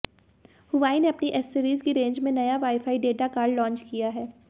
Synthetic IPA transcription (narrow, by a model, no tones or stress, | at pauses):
hʊʋaːineɐpniʔɛsːiɾiːzkiɾẽːɲd͡ʒmẽnɐjaʋaːɪfaːiɖeːʈakaːɾɖlɔ̃ːnt͡ʃkijaɦɛː